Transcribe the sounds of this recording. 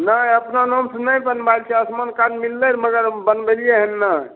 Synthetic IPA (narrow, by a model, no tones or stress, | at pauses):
najəpnanomsənəjbənbalt͡ʃʰɛəsmankad͡ʒmilːəɾməɡəɾbənbelijeɦənːa